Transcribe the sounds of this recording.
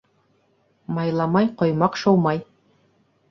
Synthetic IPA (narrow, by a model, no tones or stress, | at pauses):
mɑjlˠɑmɑjqŏjmɑqʃowmɑj